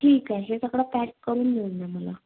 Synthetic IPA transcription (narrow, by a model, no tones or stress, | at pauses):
ʈʰiːkaɕesakɽapækkəɾuːnmilnaməla̰